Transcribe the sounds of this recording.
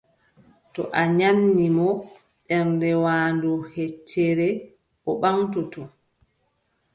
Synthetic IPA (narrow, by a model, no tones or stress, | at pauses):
tɔ̰ʔaɲamnimɔ | ɗɛɾndɛwaːndɔhet͡ʃːɛɾɛ | ɔɓaŋtutɔ